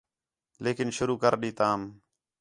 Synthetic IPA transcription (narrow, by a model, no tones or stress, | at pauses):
leːkɪnʃʊɾuːkəɾɗiːt̪aːm